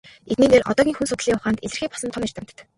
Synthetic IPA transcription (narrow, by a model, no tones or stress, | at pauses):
et̪niːneːrʔɔ̰t̪ɔːɣʲiːŋxunsʊt̪ɮiːŋʊχaːnt̪eɮɘ̆rxiːk̚pɔ̥sɞ̆mt̪ʰɔmer̥t̪ʰə̆m̥t̪̆t̪